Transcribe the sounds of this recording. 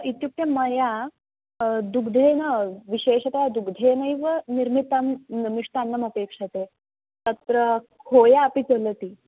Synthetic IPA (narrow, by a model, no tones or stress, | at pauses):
it̪jup̚ʈ̪jɐməja | d̪uɡd̪ʱenəʋiɕeːɕɐt̪ɐjad̪uɡd̪ʱenəiʋəniɾmit̪əmmiʂt̪anːəməpekʂɐt̪e | t̪ət̪ɾə | kʰojaːpit͡sələt̪iː